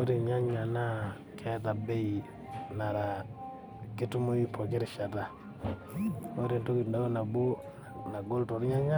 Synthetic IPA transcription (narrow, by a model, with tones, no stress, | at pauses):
o˦ɾi˨ɲa˦ɲa˨na˦ | kʰɛ˦ta˨be˦i˨ | na˨ɾa˨ | ki˦tu˦mo˦i˦po˨k̬i˦ɾi˨ʃa˨ta˨ | ŋo˦ɾi˨nto˦ki˨nda˦ɡo˦na˨bo˦ | na˨ɡo˦lto˨ɾɲa˦ɲa˦